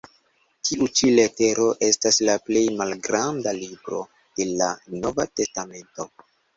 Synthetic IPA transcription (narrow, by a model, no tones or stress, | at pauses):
tʰiʔut͡ʃile̞te̞ɾo̞ʔe̞staslaple̞jmalɡɾandalibɾo̞̰ | d̥e̞lano̞vate̞stame̞nto̞